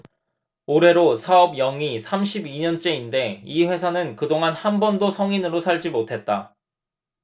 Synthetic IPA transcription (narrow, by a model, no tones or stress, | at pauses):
oɾe̞ɾosʰaʌbjʌŋisʰamɕʰibiɲʌnt͡ɕ͈e̞inde̞iɸwe̞sʰanɯnkɯdoŋanhanbʌndosʰʌŋinɯɾosʰaɭd͡ʑimotʰe̞t̚t͈a